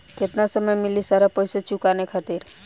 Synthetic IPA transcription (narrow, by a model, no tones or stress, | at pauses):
kʰet̪nasəməjmɪlisaɾapəjset͡ʃukanekʰat̪iɾ